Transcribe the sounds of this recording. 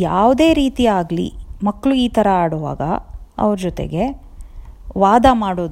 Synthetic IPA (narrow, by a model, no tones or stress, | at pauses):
jaːʋd̪e̞ːɾiːt̪iaːɡlḭmɐkːɭuiːt̪ʰɐɾɐaːɽɔʋa̰ːɡɐ̰ɐ̰ʋɾɐd͡ʒɔt̪ḛɡe̞ | ʋaːd̪amaːɽoːd̪